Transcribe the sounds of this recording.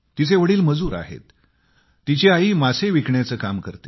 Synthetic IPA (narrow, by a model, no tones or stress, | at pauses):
t̪it͡seʋəɽiːlməd͡zuːɾa̰ɦḛt̪ː | it͡ɕeaiːmaseʋikɳjat͡səːkamkəɾt̪e